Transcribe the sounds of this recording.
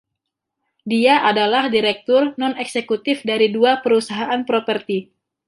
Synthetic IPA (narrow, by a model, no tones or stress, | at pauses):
diaʔadalahdiɾɛk̚t̪ʊrnɔnɛksekut̪ɪfdaɾiduapəɾusaɦaʔanpɾopərt̪i